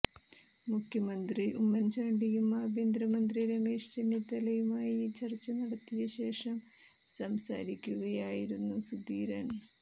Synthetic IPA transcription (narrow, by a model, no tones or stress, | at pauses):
mukʰjɐmɐnd̪riumːɐnd͡ʑaːɳɖijumaːbʱend̪rɐmɐnd̪riɾɐmeːʂt͡ɕenit̪ːɐlɐjumaːjit͡ɕɐrt͡ɕːɐnɐɽɐt̪ːijɐɕe̞ːʂɐm | sɐmsa̰ːɾikʲːuɣɐjaːjiɾunːusud̪iːɾɐ̰ɳ